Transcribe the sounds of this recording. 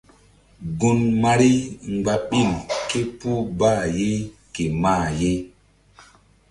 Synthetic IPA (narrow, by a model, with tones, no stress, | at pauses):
ɡu˨nma˨ɾi˦ŋ˨ɡ͡ba˨ɓi˦˨nke˦pu˦baː˦˨je˦ke˨ma˦˨je˦